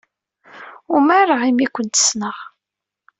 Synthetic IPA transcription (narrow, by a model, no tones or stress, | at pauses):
ʊmaɾəʁimikʷənt̪ə̥snəʁ